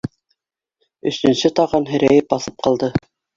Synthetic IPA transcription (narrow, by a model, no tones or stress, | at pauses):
ɵ̆sɵ̆nsɘt̪ɑʁɑnɦɘ̆ɾæjɘp̚bɑθɤp̚qɑlˠd̪ɤ